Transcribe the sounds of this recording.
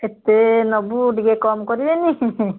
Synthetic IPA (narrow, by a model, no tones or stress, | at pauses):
et̪enɔbuɖiɡekɔmkɔɾibeni